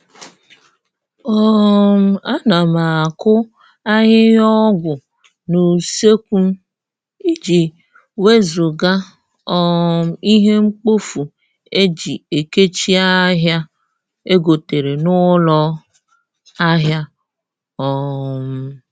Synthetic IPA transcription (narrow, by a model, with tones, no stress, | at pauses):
ɔ˦m̩˨a˦na˨ma˨a˨kʊ˦ | a˦ɦɪ˦jɔ˦ɡʷʊ˨ | no˨se˦kʷu˦m̩˦ | i˦d͡ʒi˨ | we˦zo˨ɡa˦ | ɔ˦m̩˨i˦ɦe˦ŋ͡m̩˦k͡po˦fu˨ | e˦d͡ʒi˨e˨ke˦t͡ʃi˦a˦ɦja˦ | e˦ɡo˨te˨ɾe˨nʊ˦lɔ˦ | a˦ɦja˦ | ɔ˨m̩˨˦